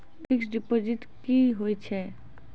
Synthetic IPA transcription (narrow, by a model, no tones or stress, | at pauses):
pʰɪksɖɪpod͡ʒɪʈ | kiɦoit͡ʃʰɛ